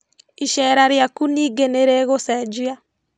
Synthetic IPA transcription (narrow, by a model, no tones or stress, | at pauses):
iʃɛɾaɾjakuniːɡeneɾeɣosɛd͡ʒia